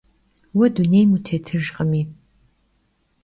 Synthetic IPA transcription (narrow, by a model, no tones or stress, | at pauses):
wɐdunejmutʰeːtʰɨʒqəmiː